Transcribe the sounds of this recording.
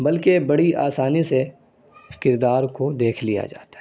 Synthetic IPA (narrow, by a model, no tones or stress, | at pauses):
bɐlkebɐɽiʔa̰ːsaːnise | kɪɾd̪aːɾkod̪eːkʰlija̰d͡ʒa̰ːt̪a